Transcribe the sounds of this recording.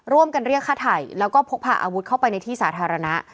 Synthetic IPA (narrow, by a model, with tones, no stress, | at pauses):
ɾu˥˩əmka˧nɾi˥˩əkʰːaː˥˩t̪ʰa˨˩jlɛː˦˥wkɔː˥˩pʰo˦˥k̚pʰa̰ː˨˩ʔa̰ː˧wu˦˥t̪̚kʰa˥˩wpa˧jna˧jt̪ʰiː˥˩saː˩˦t̪ʰaː˧ɾa˧na˦˥ʔ